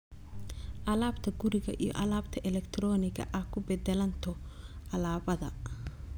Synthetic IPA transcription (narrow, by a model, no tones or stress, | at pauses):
ʔɐlaːbt̪ʰɐɡʊɾɪɣɐ̰ʔḭjɔ̰ʔɐlaːbt̪ʰɐʔɛlɛkt̪ʰɾɔːnɪɣɐ̰ʔɐkʰʊbɛd̪ɛlɐnt̪ʰɔʔɐlaːbɐðɐ̰